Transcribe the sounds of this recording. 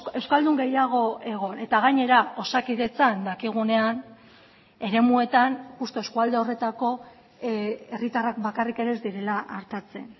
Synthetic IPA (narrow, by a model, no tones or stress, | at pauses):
e̞wskald̪uŋɡe̞jaɣ̞o̞e̞ɣ̞o̞ne̞t̪aɣ̞aɲe̞ɾao̞sakiðe̞t͡sand̪akiɣ̞une̞an | e̞ɾe̞mue̞t̪anxust̪oe̞skuald̪e̞o̞re̞t̪ako̞ | e̞rit̪arak̚bakarike̞ɾe̞zd̪iɾe̞laʔːɾt̪at͡se̞̰n